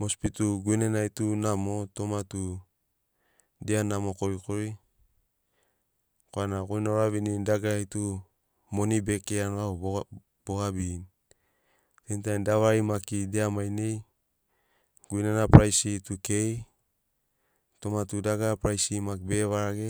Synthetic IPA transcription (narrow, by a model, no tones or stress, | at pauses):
mospit̪uɡuinenaitunamot̪omat̪u | dianamokoɾikoɾi | koanakojnaɾaβinindaɡaitu | monibekeanao | b̥oɡabin | tent̬ajndawaimakideamajnej | ɡ̥uinenapɾajsit̪ukej | t̪omatudaɡapɾajsimakbeβaɾaɡe